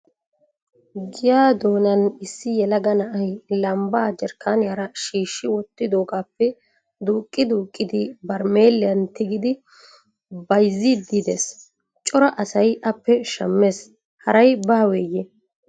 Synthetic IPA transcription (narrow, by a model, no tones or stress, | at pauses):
ɡɪjaːd̪o̞ːnɐnɪsːɪjɛlɐɡɐnɐʔɐjlɐmbaːd͡ʒɛɾkːaːnɪjɐɾɐʃiːʃːɪwɔt̪ːɪd̪oːɡaːpːɛ | d̪uːkʼːɪd̪uːkʼːɪd̪ɪbɐɾmeːlɪjɐnt̪ɪɡɪd̪ɪ | bɐjzːɪd̪ɪd̪eːs | t͡ʃʼɔɾɐʔɐsɐjʔɐpːɛʃɐmːe̞ːs | hɐɾɐjbaːweːje